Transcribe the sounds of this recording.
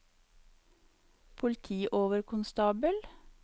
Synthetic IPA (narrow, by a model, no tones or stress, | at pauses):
pʰʊlt̪ʰiːʔoːʋəɾkʰʊnst̪ɑːbəl